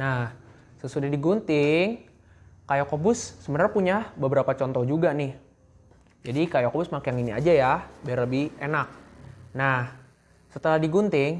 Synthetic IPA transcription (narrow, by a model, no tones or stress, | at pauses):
nah | səsudahdiɡunt̪ɪŋ | kajakobʊsːəbənarpuɲabəbəɾapat͡ʃɔnt̪ɔhd͡ʒuɡanɪh | d͡ʒadikajakobʊsmakjaŋinia̰d͡ʒajabarəbienak̚nah | sət̪əlahdiɡunt̪ɪŋ